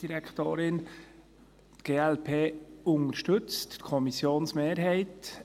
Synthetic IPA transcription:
d̥iɾɛkʰt̪oːɾɪn | t̪ɡ̥eːɛlpʰeːʊŋəɾʃtɵt͡stkʰɔmisjoːnsmeːɾɦɛɪt

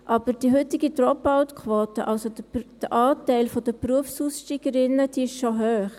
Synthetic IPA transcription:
ʔɑb̥əɾd̥iɦʏt̪ɪɡid̪ɾɔpaʊt̪kʰʋoːtəʔɑlsod̥̪əʔɑːtæɪlfɔd̥̪əpruəfsuːsʃtiːɡ̥əɾɪnːəd̥iɪʃʃoɦøːχ

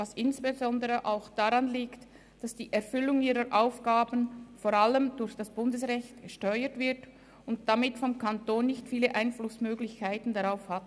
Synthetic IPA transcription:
vasɪnsb̥ezɔndəʁəʔaʊxd̥aʁanliːkt | d̥asd̥iːʔɛʁfʏlʊŋiːʁəɾʔaʊfɡ̥aːbənfoʁaləmdʊɾçd̥asb̥ʊndəsʁɛçtɡ̥əʃtœʏətv̥ɪʁt | ʊnt̚d̥amɪtfɔmkʰantoːnːɪçtfiːləʔaɪnflʊsmøːɡlɪçkʰaɪtn̩daʁaʊfhat

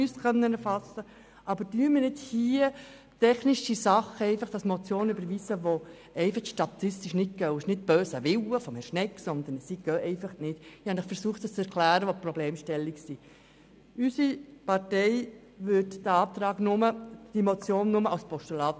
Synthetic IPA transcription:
yskʰœnːənɛɾfɑsə | ʔɑbəɾdyːmɪɾnɪthiːə | tɛχniʃisɑχəɛɪfɑχd̥ɑsmot͡sjoːnybəɾʋiːsəʋo | ɛɪfəχʃtɑt̪ɪstiʃnɪt̚ɡ̥œwɪʃnɪt̚b̥øːsəʋɪwəfɔmhɛɾʃnɛkːsɔnd̪ənsiɡ̥œːʔɛɪfɑχnɪtɪhɑnɪχfɛɾsuəχt̪əst͡sɛɾkʰlæːɾəʋopɾɔbleːmʃtɛlːiksi | ysipɑɾtɛɪ | ʋʏdd̥̪əɑːp̚t̪ɾɑːɡnʊməd̥imot͡sjoːnːʊməawspɔʃtulɑːt̪

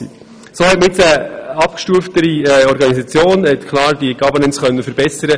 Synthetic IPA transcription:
i | soːhɛtməɪt͡səɑp̚kʃtuəftəɾiɔɾɡɑnisɑt͡sjoːnhɛt̪kʰlɑːɾd̥iəɡ̥ɑbənənt͡sχœnːəfəɾbɛsəɾə

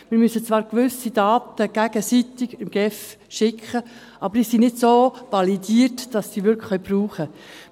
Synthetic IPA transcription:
mɪɾmysət͡svɑːɾkʋʏsid̥ɑːtəɡ̥æɡ̥əsitɪɡɪmɡ̥ɛf | ʃɪkχə | ʔɑb̥əɾisinɪdsoːʋɑlidiːəɾtd̥ɑsːiʋʏɾkχlœɥpruːχə

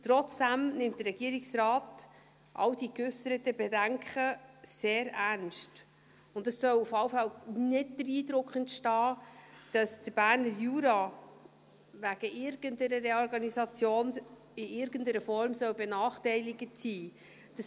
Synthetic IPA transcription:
tɾɔt͡sd̥æmnɪmtd̥ərɾɛɡ̥iəɾɪksrɑːt | ʔɑ̰wd̥ikʉsəɾətəbɛdæŋkχəseːɾæɾnʃt | ʊntdɑsːœwufɑwfælnɪd̚d̥̪əɾiːdɾʊkχəntʃtɑːd̥ɑsd̥əɾb̥æːɾnəɾjuːɾɑ | væɡ̥əʔɪɾɡ̥əntəɾəɾɛɔɾɡɑnisɑt͡sjoːn | ɪɪɾɡəndəɾəfɔɾmsœwbɛnɑːχtɛɪlɪɡətsiː | d̥ɑs

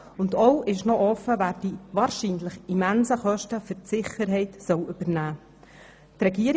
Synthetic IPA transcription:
ʊnd̪ɔwʔɪʃnɔʔɔfːəʋæːɾd̥iːʋɑːɾʃiːnləχimænsəχœʃtəfʏtsɪχəɾɦɛɪt̪sœwʏb̥əɾnæː | t̪rɛɡiəɾ

